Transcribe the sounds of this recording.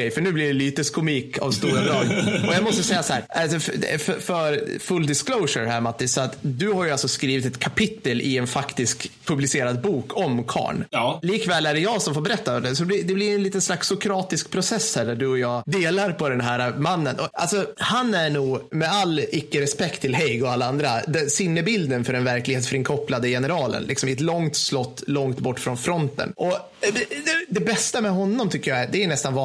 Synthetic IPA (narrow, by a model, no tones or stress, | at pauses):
ɛjfœɳʉ̟ːblɪɖɛlyːt̪əskʊmiːkʰa̰vst̪uːɾabɾɑːɡ̪ʔɔjɑmɔst̪əsɛjːasahæːɾʔalsɔfœfœɾfɵld̪ɪskloʊʂəɾhæːɾmat̪ːɪsɔat̪d̪ɵhaɾjʉalsɔskɾiːvɪt̪ɛt̪kʰapʰɪt̪ːəlʔɪɛnfakt̪ɪskpʰɵblɪseːɾad̪̚buːkʰɔmkʰɑ̰ːɳliːkvɛːlæɖɛjɑːɡsɔmfoːɾbɛɾɛt̪ːad̪ɛs̬ɔb̪ɪd̪ɛblɪɾɛnliːt̪ənslaksʊkʰɾɑːt̪ɪskpʰɾʊsɛsːhæːɖæɖɵɔjɑːd̪eːlaɾpʰɔd̪ɛnɦæːɾamanːənʔɔʔa̰lsɔhanæɳuːmɛalːɪkːəɾɛspɛkt̪ʰːɪlɦɛjɡɔalːaand̪ɾad̪ɛsɪnːəbɪld̪ənfœɖɛnvæɾklɪɡheːt̪sfœɾɪnŋkʰɔpːlad̪əjɛnəɾɑːlə̰nlɪ̰ksɔmɪɛt̪lɔŋt̪slɔt̪ːlɔŋt̪bɔʈːfɾɔnfɾɔnt̪ə̰nʔɔ | ɛd̪ɛd̪ɛbɛst̪amɛɦɔnːɔmt̪ʰʏkːəjaæd̪ɛːɳɛst̪anvɑ